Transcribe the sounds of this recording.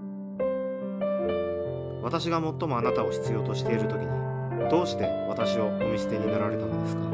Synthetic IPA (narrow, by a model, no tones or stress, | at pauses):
βat̪aɕiɡamo̞t̪ːo̞mo̞anat̪ao̞ɕi̥t͡sɨjo̞ːt̪o̞ɕi̥t̪e̞iɾɯ̟t̪o̞kʲiɲ̟i | d̪o̞ːɕi̥t̪e̞β̞at̪aɕio̞ɯmisi̥t̪e̞ɲinaɾaɾe̞t̪ano̞d̪e̞sɨ̥ka